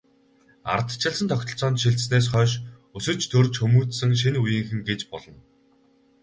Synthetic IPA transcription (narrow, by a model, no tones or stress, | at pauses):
a̰r̆t̪t͡ɕʰɪ̆ɮsə̆nt̪ʰɔkʲt̪ʰɞ̆ɬt͡sɔːnt̪ʃiɮt̪sneːs̬χœːʃ | ɵsɵ̆t͡ɕʰt̪ʰɵrt͡ɕxɵmuːt̪sɘ̆ŋʃ̬inujiːŋxɘ̆ŋɡet͡ɕpɔɮɞ̆n